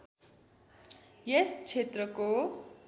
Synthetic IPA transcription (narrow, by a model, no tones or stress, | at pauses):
jest͡sʰet̪rʌko